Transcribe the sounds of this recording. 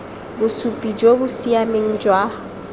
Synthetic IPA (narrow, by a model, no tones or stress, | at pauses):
bʊsupʼid͡ʒobʊsiameŋ̩d͡ʒwa